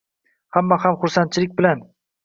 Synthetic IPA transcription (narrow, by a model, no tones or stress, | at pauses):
hamːahamχʊɾsant̪̚t͡ʃʰɪlɪk̚ʲbɪlan